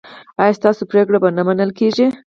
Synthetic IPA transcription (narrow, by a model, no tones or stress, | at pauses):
ɑjɑst̪ɑsopɾekɽabanamanəlkeʒi